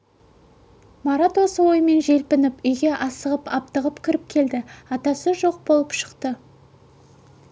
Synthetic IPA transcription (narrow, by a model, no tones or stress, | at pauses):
mɑɾat̪wo̞səwo̞jəme̞nʒe̞lpɪnɪpʏjɡʲe̞ʔɑsəʁəpɑp̚t̪əʁəpkʲʰʏɾɪp̚kʲʰe̞ld̪ɪɑt̪ɑsəʒo̞q̚bo̞lˠəpʃə̥qt̪ə